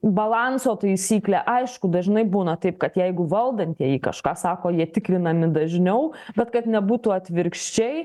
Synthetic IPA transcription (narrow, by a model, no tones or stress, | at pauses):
bɐlˠɑnsoːt̪ɐɪsʲiːklʲæʔɐɪʃkʊd̪ɐʒʲnɐɪbuːnɐt̪ɐɪp̚kɐt̪jɛɪɡʊʋɐlˠd̪ɐnʲt̪ʲiɛjikɐ̰ʃkɑːsɑːkoːjiɛt̪ʲɪkɾʲɪnɐmʲɪd̪ɐʒʲnʲɛʊbʲɛt̪kɐt̪nʲɛbuːt̪uɐt̪ʲʋʲɪɾkʃʲt͡ʃʲɛɪ